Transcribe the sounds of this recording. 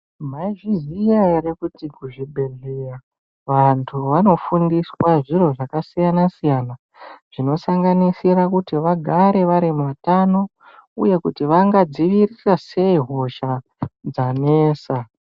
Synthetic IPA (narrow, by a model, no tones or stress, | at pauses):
m̤aʒizijaeɾikutikuʐibʱe̞ɮeja | ʋantʰuʋano̞fundiswaʐiro̞ʐakasijanasijana | ʐ̥ino̞saŋɡanisiɾakutiʋaɡʱaɾe̞ʋaɾimuʋatano̞ | ṵje̞kutiʋaŋɡad͡ziʋirirase̞iɦo̞ʃa | d͡zaneːsa